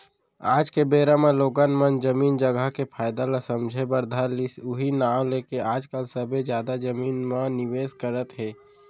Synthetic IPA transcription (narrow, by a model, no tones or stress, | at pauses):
aːd͡ʒkebeːɾamẽloːɡənmənd͡ʒəmiːnd͡ʒəɡəkepʰaːɪd̪alasə̃md͡ʒʱebəɾd̪ʱalisʊɦinaːwleːkeaːd͡ʒkəlsəbʱed͡ʒjaːd̪ad͡ʒəmiːnmãnɪʋeːskəɾət̪ɦɛː